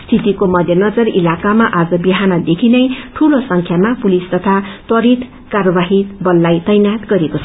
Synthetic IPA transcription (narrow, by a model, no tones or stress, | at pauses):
st̪ʰit̪ikomʌd̪ʱjʌnʌd͡zʌrilakamaʔad͡zʌbiɦanʌd̪ekʰinʌjʈʰulosʌŋkʰjamapulist̪ʌt̪ʰat̪wʌɾit̪ | karʌbaɦibʌlːajt̪ʌjnat̪ɡʌɾekot͡sʰʌ